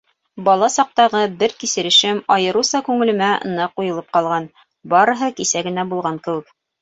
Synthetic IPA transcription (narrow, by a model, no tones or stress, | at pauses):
bɑlˠɑsɑq̚t̪ɑʁɤbɘɾkisɘ̆ɾɘ̆ʃɘmɑjɤ̆ɾusɑkʉŋɘ̆lɘ̆mæɤ̰̆nɑqːujɤ̆lˠɤp̚qɑlˠʁɑn | bɑɾɤ̆ɦɤkisæɡɘ̆næbulˠʁɑŋkɘ̆wɘ̆k